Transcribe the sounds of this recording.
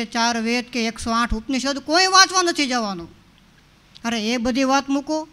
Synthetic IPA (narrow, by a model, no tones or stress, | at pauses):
et͡ʃaːɾʋet̪keeːksoãːʈʰʊpniʃ̬əd̪koːĩʋãːt͡ʃʋãnət̪ʰid͡ʒaːʋanõː | əɾeeːk̚bəd̪ʱiʋaːt̪mũkoː